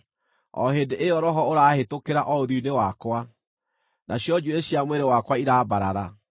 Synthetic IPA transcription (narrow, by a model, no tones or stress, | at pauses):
ɔ̰ɦedeʔeɔɾɔɦɔoɾaːhetokeɾaʔɔoðiinewakwa | nʔaɕjɔd͡ʒueɕjamweɾewakwaiɾaːbaɾa̰ɾa